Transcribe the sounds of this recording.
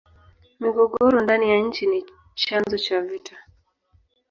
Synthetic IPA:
miɡɔɠɔɾɔndanijaɲ̩t͡ʃini | t͡ʃanzɔt͡ʃavita

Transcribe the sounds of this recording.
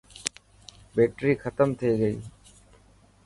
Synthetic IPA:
beːʈɾiːkʰət̪əmt̪ʰiiːɡəḭː

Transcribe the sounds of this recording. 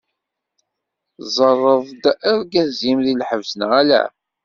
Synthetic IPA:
zˤərˤːəðˤd̪æɾɡæzimðilħəvsənʁælæ̰

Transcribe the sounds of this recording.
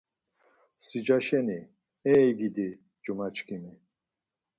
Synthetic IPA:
sid͡ʒaʃɛni | ɛiɡid̪i | d͡ʒumat͡ʃkimi

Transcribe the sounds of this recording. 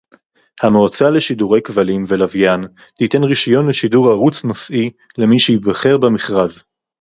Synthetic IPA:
hamoːt͡sale̞ʃiduʁe̞jkvalimvelavjan | t̪ite̞nʁiʃajo̞nleʃiduʁaʁut͡snosʔi | le̞miʃejibaχe̞ʁbemiχʁaz

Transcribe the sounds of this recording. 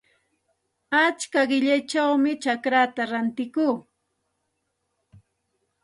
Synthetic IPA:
at͡ʃkaɢɪʎajt͡ʃawmɪt͡ʃakɾat̪aɾant̪ɪkuː

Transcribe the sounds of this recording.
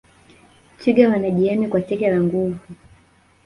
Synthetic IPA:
t͡ʃiɡawanaʄiɛmikwatɛkɛlaŋɡuvu

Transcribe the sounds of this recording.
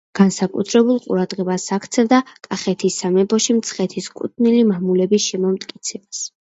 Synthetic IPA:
ɡ̥ansakʼṵt̪ʰɾɛbulˠqʼṵɾad̪̥ʁɛbasakʰt̪sʰɛvd̪akʼaχɛt̪ʰisːamɛbɔʃimt̪sʰχɛt̪ʰiskʼṵt̪̚ʰnilimamulɛbisʃɛmɔmt̪ʼkʼit̪sʰɛbas

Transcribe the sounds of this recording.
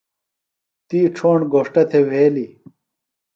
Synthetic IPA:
t̪iːʈ͡ʂʰoːɳɡoːʂʈɐt̪ʰeweːli

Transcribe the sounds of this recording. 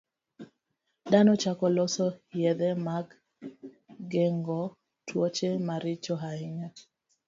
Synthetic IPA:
danɔt͡ʃakɔlɔsɔjɛd̪ɛmaɡ | ɡeŋɡɔ | tʰwot͡ʃemaɾɪt͡ʃɔɦaɪɲa

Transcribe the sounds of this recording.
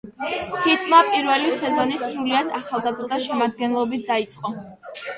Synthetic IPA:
hit̪ʰʼmapʼiɾvɛlisɛzɔnisɾuliad̪aχalˠɡazɾd̪aʃɛmad̪̚ɡɛnlˠɔbit̪̚ʰd̪ait̪sʼqʼɔ

